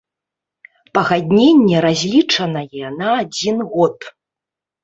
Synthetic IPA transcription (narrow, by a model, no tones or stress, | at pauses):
pɐɣad̪ʲnʲenʲːɛɾazʲlʲit͡ʂɐnɐjɛnɐad͡zʲinɣɔt̪